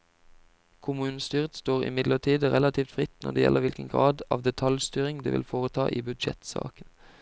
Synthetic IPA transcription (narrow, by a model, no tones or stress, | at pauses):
kʰʊmʉːnst̪yːʁt̪st̪oːʁɪ̰mɪd̪ləʈʰiːd̪əʁɛlɑt̪ʰiːft̪fʁɪt̪nɔ̰ʁɖ̪ɛːjɛ̰lʔəʋɪlkə̰nɡʁɑːd̪ɑːʋd̪ɛt̪ʰɑljst̪yːʁɪŋd̪ḛːʋɪ̰lfoːʁət̪ʰɑːʔiːbʉd̪ʃɛ̰t̪sɑ̰ːkən